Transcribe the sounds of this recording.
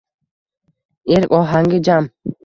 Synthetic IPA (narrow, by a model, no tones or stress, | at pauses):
iɾkʼɔɦaŋɡid͡ʒam